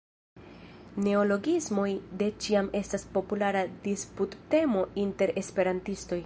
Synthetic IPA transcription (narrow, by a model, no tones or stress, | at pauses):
ne̞o̞lo̞ɡizmo̞jde̞t͡ʃiame̞staspo̞pulaɾadisputːe̞mo̞inte̞ɾe̞spe̞ɾantisto̞j